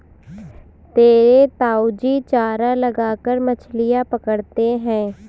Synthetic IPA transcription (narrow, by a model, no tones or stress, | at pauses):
t̪eːɾeːt̪aːud͡ʒiːt͡ʃaːɾaːləɡaːkəɾmət͡ʃʰlɪjaːpəkəɽt̪eːɦɛ̃ː